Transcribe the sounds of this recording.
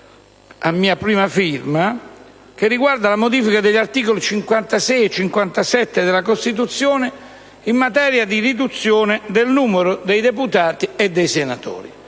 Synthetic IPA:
amːiːapɾiːmafirma | k̟ɪrːiɡward̪alamod̪iːfikad̪eʎːart̪iːkolit͡ʃiŋkwant̪asɛjɛt͡ʃːiŋkwant̪asɛt̪ːed̪elakost̪it̪̬ut̪sːjoːnɪ | imːat̪̬ɛːɾjad̪irid̪ut̪sːjoːnɪd̪elnuːmeɾʊd̪ejd̪eput̪aːt̪ied̪ːejsenat̪o̰ːɾḭ

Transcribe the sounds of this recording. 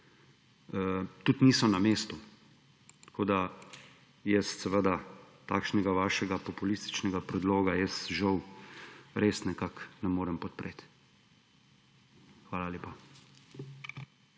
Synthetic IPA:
t̪ut̪niːsɔmnameːst̪u | t̪kʰoːd̪a | jɛst̪sɛʋəd̪at̪a̰ːkʃnɛɡaʋaːʃɛɡapɔpulist̪i̥t͡ʃnɛɡapɾɛd̪loːɡajɛsʒɐw | ɾesnɛkaknɛmoːɾɛmpɔt̪pɾʔet̪ | xʋaːlalʲeːpa

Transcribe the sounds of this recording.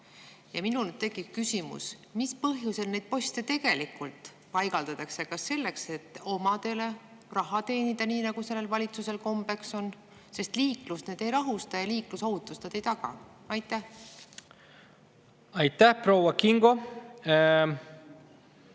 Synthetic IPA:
jɑminult̪e̞ɡikkysimṵsmispɤɦjuse̞lne̞jd̪̚po̞st̪et̪e̞ɡ̥e̞likult̪ˑ | pɑjɡ̥ɑld̪ɑt̪ɑksekɑsːe̞lːe̞kse̞t̪ːˑo̞mɑd̪̥e̞le̞ | rɑɦɑt̪e̞ːnid̪̥ɑniːnɑɡ̥use̞lːe̞lvɑlʲit̪suse̞lko̞mbe̞kso̞n | se̞st̪liːklusneːd̪̥e̞jɾɑɦust̪ɑjɑliːklusohut̪ːˑust̪ed̪ejt̪ɑɡ̥ɑ̰ | ɑjt̪ˑːæh | ɑjt̪ːˑæhpɾo̞wɑkiŋɡo

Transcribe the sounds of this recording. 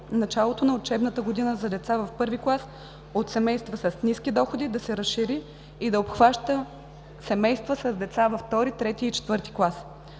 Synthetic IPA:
nɐt͡ʃalˠot̪onɐot͡ʃɛbnət̪əɡod̪inəzɐd̪ɛt̪savɐfpɤɾviklˠas | ot̪sɛmɛjst̪vəsɐsniskʲid̪ɔxod̪id̪ɐsɛɾəsʃiɾiː | d̪ɐopxvaʃt̪ə | sɛmɛjst̪vəsɐzd̪ɛt̪savɐft̪ɔɾit̪ɾɛt̪iit͡ʃɛ̥t̪vɤɾt̪i̥klˠas

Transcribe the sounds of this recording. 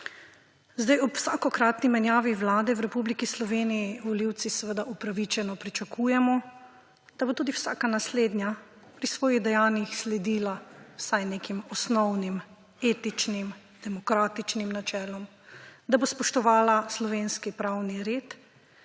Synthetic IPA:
zd̪ajɔpw̥saːkɔkɾaːt̪nimɛnjaːʋiʋlaːd̪ɛwɾɛpublikislɔʋeːnijiʋɔliwt̪sisəʋəd̪aʔupɾaʋit͡ʃɛnɔpɾit͡ʃakʰujɛmɔ | d̪̥abot̪uːd̪iwsa̰ːkanasleːd̪nʲja | pɾisʋɔːjiɣd̪ɛjaːnjixslɛd̪iːlawsajnekimɔsnɔwnim | eːt̪it͡ʃnim | d̪̥ɛmɔkɾaːt̪it͡ʃnimnat͡ʃɛːlɔm | d̪abospɔʃt̪ɔʋaːlaslɔʋeːnskipɾawniɾeːt̪

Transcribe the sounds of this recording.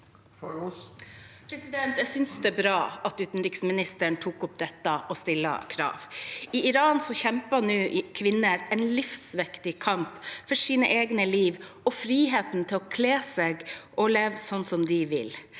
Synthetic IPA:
pʰɾɛsɪd̪ɛnt̪jɛsʏnsd̪ɛːbɾɑːɑt̪ʉːt̪n̩ɾɪksmɪnɪst̪əɳt̪ʰuːkʊp̚d̪ɛt̪ːəʔɔst̪ɪlːə̰kʰɾɑ̰ːʋɪʔɪɾɑːnsɔçɛmpənʉːʔkʰʋɪnːəɾɛnlɪfsʋɛkt̪ɪkʰɑmpfɔʂiːnə̰ʔeːɡnəliːʋ | ɔfɾiːɦeːt̪nt̪ʰɪlɔkʰleːseːɡʔɔleːʋsɔnːsɔmd̪ɪʋɪ̰l

